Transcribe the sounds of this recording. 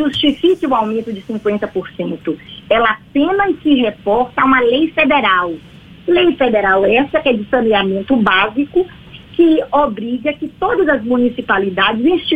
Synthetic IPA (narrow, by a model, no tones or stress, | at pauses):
ʒust͡ʃifikɪũawmẽnt̪ʊd͡ʒɪsĩŋkwẽnt̪ɐpoɾsẽnt̪ʊɛlɐapẽnɐssɪɦepɔɾt̪ɐaũmɐlejfed̪eɾaw | lejfed̪eɾawɛsɐkɛd͡ʒɪsɐ̃neamẽnt̪ʊbazikʊ | kɪobɾiɡɐkɪt̪od̪ɐzɐzmũnisipalid̪ad͡ʒɪzĩst͡ʃi